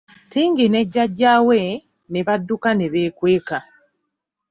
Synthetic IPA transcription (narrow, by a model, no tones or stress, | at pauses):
tiːŋɡine̞ɟːaɟːaːwe | ne̞βadːukane̞βeːkwe̞ːka